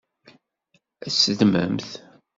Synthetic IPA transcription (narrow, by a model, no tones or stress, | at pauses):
æsəd̪mə̰mθ